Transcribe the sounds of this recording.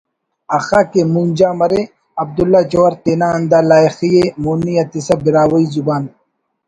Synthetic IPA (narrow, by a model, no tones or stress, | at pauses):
ɐxaːkemund͡ʒaːmɐɾe | ɐb̚d̪ulːat͡ʃoːɐɾt̪eːnaːɐnd̪aːlaːixijemoːnijɐt̪isɐbiɾaːwɐizubaːn